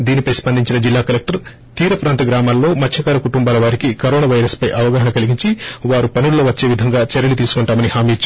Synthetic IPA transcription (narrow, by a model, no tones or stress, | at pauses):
d̪iːnipɐjspɐnd̪ʱiɲt͡ʃinɐd͡ʒilːaːkɐlek̚ʈɐɾ | t̪iːɾɐpɾaːnt̪ɐɡɾaːmaːlːo̞ːmɐt̪ʰjɐkaːɾɐkuʈumbaːlɐʋaːɾikikɐɾoːnaːʋɐjɾɐspɐjʔɐʋɐɡaːɦɐnɐkɐliɡiɲt͡ʃiʋaːɾupɐnullo̞ːʋɐt͡ʃːe̞ːʋid̪ʱɐŋɡaːt͡ʃɛɾɐlit̪̬iːsu̥kuɳʈaːmɐnihaːmiːt͡ʃːu